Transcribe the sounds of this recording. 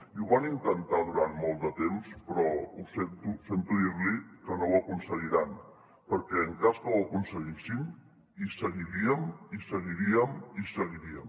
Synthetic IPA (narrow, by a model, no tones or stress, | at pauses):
iuβanint̪ənt̪aðuɾanmɔlˠt̪d̪ət̪emspɾɔusent̪usent̪uðiɾlikənowəkunsəɣiɾan | pəɾkɛəŋkaskəwəkunsəɣisin | isəɣiɾiəmisəɣiɾiəmisəɣiɾiə̰m